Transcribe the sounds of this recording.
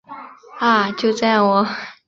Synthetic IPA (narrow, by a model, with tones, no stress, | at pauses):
a˥˩t͡ɕjo˥˧ʊt͡sa˥˩ɪwɔ˨˩˦